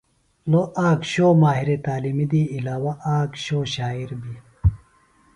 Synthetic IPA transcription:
loʔaːkɕoːmaːɦiɾet̪aːlimid̪iːlaːwɐʔaːkɕoːɕaːiɾbi

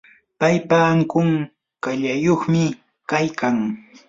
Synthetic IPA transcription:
pajpaːŋkʊŋ | kaʎajoχmɪ | kajkaŋ

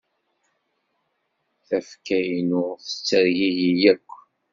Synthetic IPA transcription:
θæfkæjnʊʁθə̥t͡sːəɾjijijækʷː

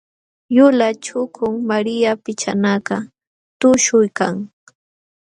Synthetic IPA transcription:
jʊlat͡ʃʊkʰʊŋmaɾɪjapɪt͡ʃa̰nakɑ | t̪ʊʃʊjkaŋ

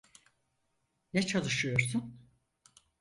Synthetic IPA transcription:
nɛt͡ʃʰalˠɯʃɯjo̞ɾsun

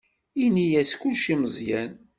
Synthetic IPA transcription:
inijæskːulʃiməzˤjæn

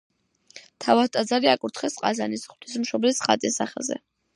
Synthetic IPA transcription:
t̪ʰavat̪ʼad̪zaɾiakʼuɾt̪ʰχɛsqʼazanisχt̪ʰismʃɔblisχa̰t̪ʼisaχɛ̰lˠzɛ̰

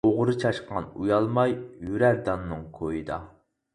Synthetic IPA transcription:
oʁɾɨt͡ʃʰɑʃqɑ̰nujɑlˠmɑjjyɾæɾd̪ɑnːɨŋkʰojɨd̪ɑ̰

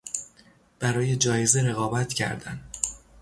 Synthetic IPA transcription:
b̥æɾɒːje̞d͡ʒɒːjezeɾe̞ɣɒːbæt̪ʰcʰæ̰ɾd̪æ̰n

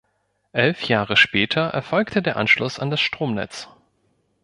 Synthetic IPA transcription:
ʔɛlfjaːʁəʃpɛːtʰɐʔɛ̰ɐfɔlktʰədeːɐʔanʃlʊsa̰ndasʃtʁ̥oːmnɛ̰t͡s

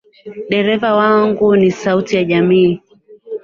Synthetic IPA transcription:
ɗɛɾɛvawaŋɡunisautijaʄamiː

